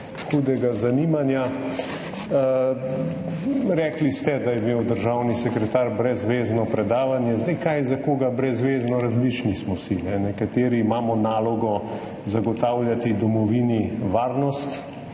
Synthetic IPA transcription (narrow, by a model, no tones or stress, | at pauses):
xuːd̪ɛɡazanimanja | ɾɛklist̪ɛd̪ajɛmeːwd̪əɾʒawnisɛkɾɛt̪aːɾbɾɛzʋeːznɔpɾɛd̪aːʋanjɛzd̪jkajzakoːɡabɾɛzʋeːznɔɾazlit͡ʃnismɔsinɛnɛkat̪eːɾiːmaːmɔnaːlɔɡɔ | zaɡɔt̪awljat̪id̪ɔmɔʋiniʋaːɾnɔst̪